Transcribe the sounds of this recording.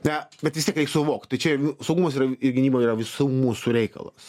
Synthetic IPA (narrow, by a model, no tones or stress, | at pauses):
nʲɛbʲɛt̪ʋʲɪsʲt̪ʲiɛkɾʲɛɪksʊʋoːkt̪ʲt̪ɐɪt͡ʃʲɛsɐʊɡumɐs̬iːɾɐɪrɡʲɪnʲiːboiːrɐʋʲɪsumuːsuɾʲɛɪkɐ̰lˠɐ̰s